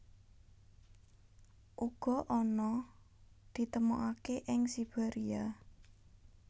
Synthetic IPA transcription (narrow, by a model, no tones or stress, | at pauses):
ʔuɡ̥ɔ̤ʔɔnɔ | d̪̥i̤t̪əmuʔakeʔɪŋsib̥aɾia